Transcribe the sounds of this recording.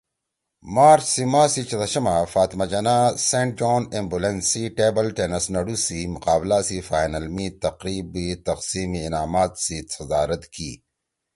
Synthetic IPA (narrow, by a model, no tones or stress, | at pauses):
maːɾt͡ʃsimaːsit͡ʃɐd̪ɐʃɐmafaːt̪mad͡ʒɐnasẽːɳʈ̚d͡ʒoːnẽmbulẽnsiʈeːbɐlʈeːnɐsnɐɽusimʊqaːblasifaːjnɐlmit̪ɐqɾiːbːit̪ɐqsiːmiːnaːmaːt̪sisɐzaːɾɐt̪kḭː